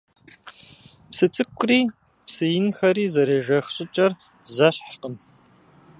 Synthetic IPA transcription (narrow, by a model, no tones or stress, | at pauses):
psɨt͡sʼɨkʷʼriː | psɨjɪnxɐɾiːzɐɾeːʒɐxɕʼɪt͡ʃʼɐr | zɐɕħqəm